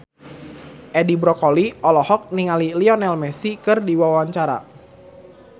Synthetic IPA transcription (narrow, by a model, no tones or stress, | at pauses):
ʔɛdibɾɔkɔliʔɔlɔhɔk̚niŋaliliɔnɛlmɛsikɨrdiwawaɲt͡ʃaɾa̰